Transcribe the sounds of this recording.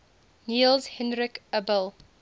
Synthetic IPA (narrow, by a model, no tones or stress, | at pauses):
niːlˠzhɛ̃nɹɪkəbəlˠ